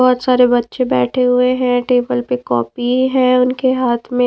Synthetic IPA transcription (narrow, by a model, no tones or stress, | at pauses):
ɔːt̪saːɾebɐtːʃẽbɛ̰ːʈʰeɦʊeɦɛ̃ʈeːbəlpekɔːpiɦɛ̃ʊnkeɦaːt̪ʰmẽ